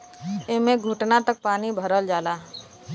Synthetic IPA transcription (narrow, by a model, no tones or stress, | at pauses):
emẽɡʱuʈnat̪ək̚paːnibʱəɾəld͡ʒaːlaː